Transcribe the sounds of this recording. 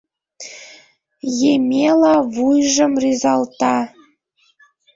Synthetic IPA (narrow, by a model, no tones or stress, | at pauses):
jemʲelɑβujʒə̆mryzɑlˠt̪ɑ